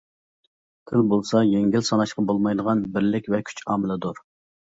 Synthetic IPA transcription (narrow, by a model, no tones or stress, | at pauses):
t̪ʰɪlbolˠsɑjeŋɡʲilsɑnɑʃqɑbolˠmɑjd̪əʁɑnbɪɾlɪkʲvɛkʲʰy̥t͡ʃʰɑːmɪlˠɪd̪oɾ